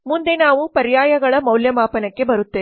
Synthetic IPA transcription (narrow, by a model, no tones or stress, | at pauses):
mund̪enaːʋupɐɾjaːjɐɡɐɭɐmɐwljɐmaːpɐnɐkːe̞bɐɾut̪ːe